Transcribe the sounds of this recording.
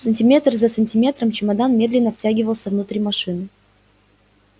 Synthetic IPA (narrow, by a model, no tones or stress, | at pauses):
sənʲtʲɪmʲe̞t̪rzəsənʲtʲɪmʲe̞t̪ɾəmt͡ɕɪmɐd̪anmʲe̞d̪lʲɪnːəftʲæɡʲɪvəlˠsʲəvnut̪ɾʲimɐʂɨnɨ